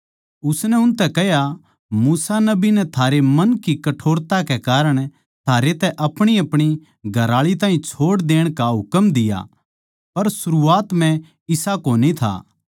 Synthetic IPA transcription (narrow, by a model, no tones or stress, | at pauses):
ʊsnɛʊnt̪ɛkɛɦja | muːsanɐbinɛt̪ʰaːɾemɐnkikɐʈʰoːɾt̪akekaːɾəɽ̃ | t̪ʰaːɾet̪ɛʔɐpɽ̃iɐpɽ̃i | ɡʱɐɾaːɭit̪aːĩt͡ʃʰoːɽd̪eːɽ̃kaɦʊkəmd̪ɪja̰ | pɐɾsʊɾuaːt̪mɛ̃ | ɪsakoːnit̪ʰa̰ː